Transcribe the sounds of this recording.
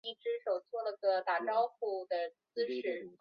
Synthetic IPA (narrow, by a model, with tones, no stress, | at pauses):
i˥˩ʈ͡ʂɻ̩˥ʂo˨˩ʊt͡sʰwɔ˥˩lə˩ɡə˧t̪a˥˩ʈ͡ʂɑ˥ʊxu˥˩d̪ə˩ | t͡sɹ̩˥ʂʰɻ̩˨˩˦